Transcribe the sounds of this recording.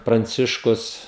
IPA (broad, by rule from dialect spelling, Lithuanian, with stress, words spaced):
prɐnʲˈt͡sʲɪʃkʊs